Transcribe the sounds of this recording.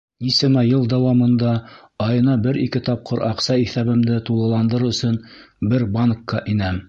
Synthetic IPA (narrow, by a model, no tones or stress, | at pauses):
isɘ̆mæjɤlˠd̪æwɑmɤ̆nd̪ɑ | ɑjɤ̆nɑbɘɾikɘt̪ɑp̚qʰɤɾɑqsɑiθæβɘ̆md̪ɘt̪ulˠɤ̆lˠɑnd̪ɤɾɵ̆sɵn | bɘɾbankːɑʔinæm